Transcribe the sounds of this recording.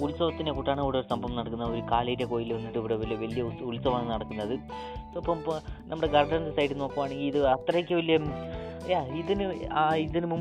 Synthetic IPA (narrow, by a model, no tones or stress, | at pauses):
ulsɐʋɐt̪ːinekuʈːaːɳɐuʋɽeo̞ɾusɐmbʱɐʋɐmnɐɽɐkːunːɐo̞ɾukaːlɐjɾeko̞ːjilʋɐnːiʈːɨiʋiɽeʋɐlijʋɐlijɐulsɐʋaːɳɨnɐɽɐkːunːɐðɨ | ɐpːɐmnɐmːuɽe̞ɡɐrɖɐndɨsɐjʈːɨno̞ːkːɐʋaːɳe̞ŋɡiliðɨɐt̪rɐjikʲːɐʋɐlijɐjaːiðinɨaːiðinɨmum